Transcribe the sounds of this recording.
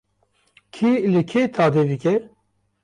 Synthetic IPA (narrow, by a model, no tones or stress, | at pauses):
kʰilɪkʰet̪ʰaːd̪ed̪ɨkɛ